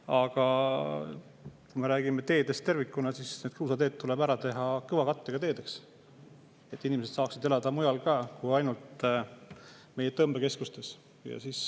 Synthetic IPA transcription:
ɑɡ̥ɑ | kujme̞ɾæːɡimet̪e̞ːd̪e̞st̪e̞rvikːˑunɑsisned̪̥kɯwsɑt̪e̞ːt̪̚t̪ːule̞bæɾɑt̪e̞ɦɑkɤɯvɑkɑt̪ːˑeɡ̥ɑt̪e̞ːd̪e̞ks | e̞t̪ːˑinʲimese̞d̪sɑːksid̪̥e̞lɑd̪̥ɑmujɑlkɑːkuhɑjnult̪ | me̞jet̪ɤmbeke̞skust̪e̞s | jɑ̰sis

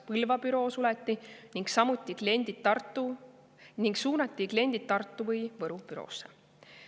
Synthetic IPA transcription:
pɯlvɑpyɾo̞ːsulɛt̪ːiniŋksɑmut̪ʲːˑikle̞nʲd̪̥it̪ːɑrt̪ːˑu | niŋksuːnɑt̪ːˑikle̞nʲd̪̥it̪̚t̪ːɑrt̪ːˑuvɤjvɤɾupyɾo̞̰ːsːe

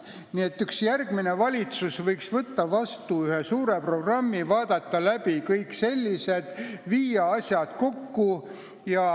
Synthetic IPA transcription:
nie̞t̪ːyksjærɡ̥mine̞vɑlʲit̪susvɤjksvɤt̪ːɑvɑst̪uyhe̞suːɾe̞pro̞ɡrɑmːivɑːd̪̥ɑt̪ːɑlæb̥ikɤjkse̞lʲːise̞d̪̥viːjɑɑsʲjɑd̪̥ko̞kːu | jɑ

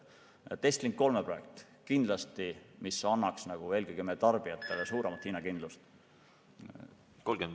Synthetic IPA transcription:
t̪e̞st̪liŋkko̞lmepro̞je̞k̚t̪ˑ | kind̪̥lɑst̪imisɑnːɑksnɑɡ̥ue̞ːlɡikymet̪ɑrb̥iɑt̪ːˑe̞lesuːɾemɑt̪hiːnɑkind̪̥lust̪ | kolɡen

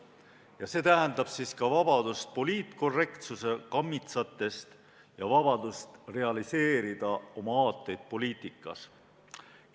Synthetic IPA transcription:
jɑse̞ːt̪æɦɛnd̪ɑb̥siːskɑvɑb̥ɑd̪̥ust̪̚po̞liːt̪ˑko̞rːe̞kt̪suse̞kɑmːit̪sɑt̪ːˑe̞st̪ | jɑvɑbɑd̪̥ust̪re̞ɑlise̞ːɾid̪̥ɑo̞mɑɑːt̪ːˑe̞jd̪̥̚po̞liːt̪ːˑikːˑɑ̰s

